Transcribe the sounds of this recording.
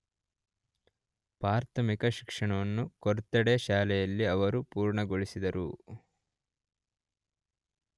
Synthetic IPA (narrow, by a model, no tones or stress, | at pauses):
paːɾt̪ʰɐmikɐʃi̥kʂɐɳɐʋɐnːukɔɾt̪ːɐɽeʃaːlɛjɐlːiɐʋɐɾupuːɾɳɐɡoɭisid̪ɐɾu